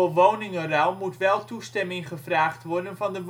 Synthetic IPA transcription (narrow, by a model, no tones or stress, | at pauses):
oʋownɪŋərawˠmutʋɛlˠtustɛmɪŋχəvraːχtʋɔrdənvɑndəʋ